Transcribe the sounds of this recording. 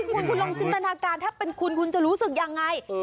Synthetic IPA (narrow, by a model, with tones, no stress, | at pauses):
kʰu˧nkʰu˧nlo˧ŋt͡ɕiː˧nt̪a˧naː˧kaː˧nt̪ʰaː˥˩pe˧nkʰu˧nkʰu˧nt͡ɕa˨˩ɾuː˦˥sɯ˨˩k̚ja˧ŋːa˧j